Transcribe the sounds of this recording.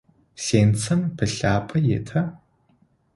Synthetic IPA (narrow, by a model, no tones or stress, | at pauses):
seːnt͡sʰɐmpʰɨɬaːpʼɐjḛtʰɐ